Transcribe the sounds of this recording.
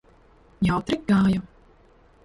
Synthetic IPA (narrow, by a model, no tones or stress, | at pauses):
jawt̪ɾik̚ɡaːjɔ